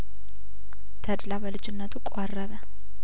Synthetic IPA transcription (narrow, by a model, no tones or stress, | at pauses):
t̪ʰəd̪labəlɨd͡ʒɪnːət̪ʰukʼorːəβə